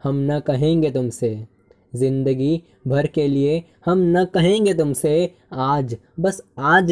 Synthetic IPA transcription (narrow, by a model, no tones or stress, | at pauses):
hɐmnɐkɐɦẽːŋɡet̪ʊmse | zɪ̃nd̪əɡi | bʱɐɾkelie | hɐmnɐkɐɦẽːŋ̆ɡet̪ʊmse | aːd͡ʒ | bɐsaːd͡ʒ